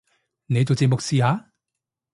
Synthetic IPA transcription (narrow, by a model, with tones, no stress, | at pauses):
ne˨˧jt͡so˨wt͡se˨˧mʊ˨k̚siː˨˧haː˨˧˥